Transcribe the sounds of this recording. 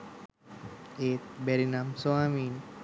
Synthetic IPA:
et̪̚bɛɾinamsoamin

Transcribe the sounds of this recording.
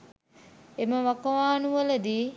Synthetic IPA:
eməʋakɐʋaːnuʋələd̪iː

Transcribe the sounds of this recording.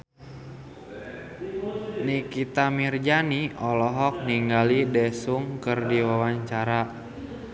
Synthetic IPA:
nikit̪amird͡ʒaniɔlɔɦɔk̚niŋɡalidɛsuŋkərdiwawaɲt͡ʃaɾa

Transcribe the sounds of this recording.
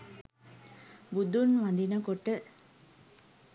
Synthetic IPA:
bud̪unʋɐnd̪inɐkoʈːə

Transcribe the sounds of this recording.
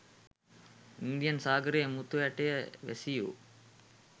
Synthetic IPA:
ind̪ijənsaːɡəɾejmut̪ujaʈejəʋḛsijṵ

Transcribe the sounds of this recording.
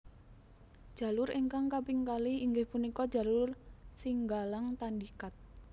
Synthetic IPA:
d̥ʒ̥ä̤lʊɾeŋkaŋkapiŋkaliiŋɡɪhpunikɔd̥ʒ̥a̤lʊrsiŋɡalaŋt̪andikat̪̚

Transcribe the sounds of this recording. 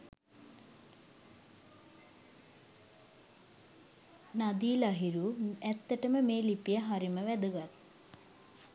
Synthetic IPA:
nad̪iːlaɦiɾuæt̪ːəʈəməmeːlipijəɦaɾiməʋæd̪əɡat̪̚ː

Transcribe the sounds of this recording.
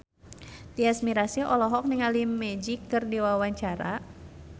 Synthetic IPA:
t̪iasmiɾasiʔɔlɔɦɔk̚niŋalimɛd͡ʒikːɨrdiwawaɲt͡ʃaɾa

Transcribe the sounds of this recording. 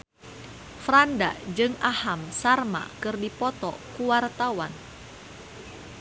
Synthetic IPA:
fɾanda̰d͡ʒɨŋahamsarma̰kɨrdipɔt̪ɔ̰kuwart̪awan

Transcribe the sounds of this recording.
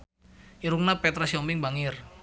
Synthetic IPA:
iɾuŋnapɛt̪ɾasiɔmpɪŋbaŋɪr

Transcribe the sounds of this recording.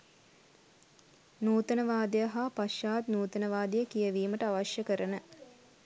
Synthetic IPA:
nuːt̪ənəʋaːd̪əjəɦapaʃjaːt̪nuːt̪ənəʋaːd̪ijəkijəʋiːməʈəaʋaʃjəkəɾənə

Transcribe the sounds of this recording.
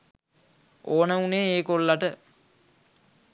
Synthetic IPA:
ʔoːnəuneeːkolːaʈə

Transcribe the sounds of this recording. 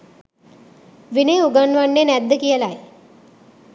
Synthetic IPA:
ʋineuɡanʋanːenæd̪ːəkijəlaj

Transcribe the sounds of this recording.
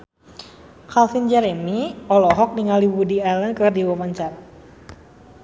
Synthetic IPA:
kalfind͡ʒɛɾɛmiɔlɔɦɔk̚niŋaliwudialənkərdiwɔpaɲt͡ʃar

